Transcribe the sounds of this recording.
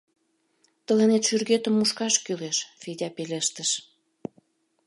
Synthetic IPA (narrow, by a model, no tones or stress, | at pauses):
t̪ə̆lenet̪ʃyrɣet̪əmːuʃkɑʃkyleʃfedʲɑpeleʃt̪əʃ